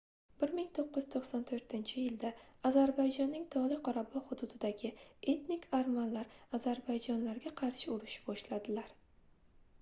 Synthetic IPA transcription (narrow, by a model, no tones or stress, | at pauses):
b̥ɪɾmɪŋt̪ʰoqːɨj̪t̪ʰoχsant̪ʰɵɾt̪ʰɪnt͡ʃʰɪjɪld̪aazaɾbajd͡ʒɒnːɪŋt̪ʰɒlˠɪqʰɒɾabɒhʊd̪ʊd̪ɪd̪aɡʲɪe̞t̪nikʲʰaɾmanlːaɾazaɾbajd͡ʒɒnlaɾɡʲaqʰɑɾʃɪʊɾɪʃɪ̥bɒʃlad̪ɪlaɾ